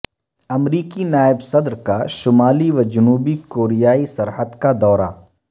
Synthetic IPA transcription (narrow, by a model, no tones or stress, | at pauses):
ɐmɾiːkinaːɪbsɐd̪ɾkaʃʊmaːliʋɐd͡ʒɐnuːbikoːɾijaːisɐɾɦəd̪kad̪ɔːɾa̰